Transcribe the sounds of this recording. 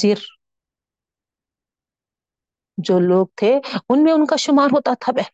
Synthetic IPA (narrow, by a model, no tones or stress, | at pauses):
iɾ | d͡ʒoːloːɡ̚t̪ʰeʊnmẽʊnkaʃʊmaːɾɦoːt̪at̪ʰaɓɛ